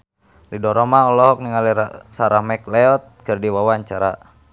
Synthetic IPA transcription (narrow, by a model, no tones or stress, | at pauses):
lidɔɾɔmaɔlɔɦɔk̚niŋaliɾasaɾamɛklɛɔt̪̚kɨrdiwawaɲt͡ʃaɾa̰